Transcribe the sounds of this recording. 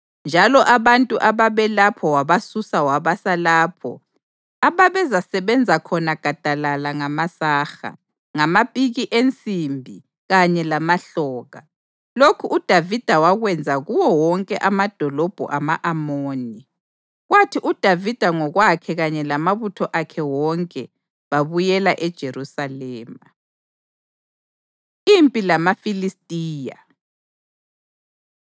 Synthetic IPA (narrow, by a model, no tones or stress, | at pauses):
nd͡ʒʱalɔʔaβantʼuʔaβaβɛlapʰɔwaβasusawaβasalaːpʰɔ̰ | aβaβɛzasɛβɛnd͡zʱakʰɔnaɡ̥ʱad̥ʱalalaŋamasaːxa̰ | ŋamapʼiɣiʔent͡sʼimbʱi | ɣaɲɛlamaɬɔːɣa | lokʰuud̥ʱavid̥ʱawaɣwɛnd͡zʱaɣuwɔwɔŋkʼɛʔamad̥ʱɔlɔb̥ʱṵʔamaʔamoːni | ɣwatʰiʔud̥ʱavid̥ʱaŋɔɣwakʰɛɣaɲɛlamaβutʰɔʔakʰɛwɔŋkʼɛ | βaβujɛlaʔɛd̥ʒ̥ʱeɾusalɛːma | impʼilamafilistʼiːja